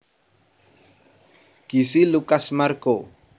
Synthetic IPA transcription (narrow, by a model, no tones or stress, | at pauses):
ɡ̥i̤silukasmarko